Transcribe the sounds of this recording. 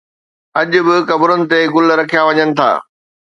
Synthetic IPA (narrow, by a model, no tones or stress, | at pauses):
ɐʄʊ̆bɪkɐbɾənɪ̆t̪eɡʊlɾɐkʰijaʋɐɲənɪ̆t̪ʰa̰ː